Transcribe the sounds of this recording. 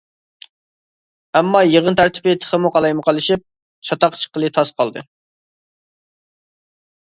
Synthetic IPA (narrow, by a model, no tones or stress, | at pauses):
ɛmːɑjəʁənt̪ʰæɾt̪ʰɪ̥pɪt̪ʰə̥χəmuqʰɑlˠɑjməqʰɑlˠɨʃip̚ | t͡ʃʰɑt̪ɑqt͡ʃʰə̥qəlˠɨt̪ʰɑsqʰɑlˠd̪ɨ̰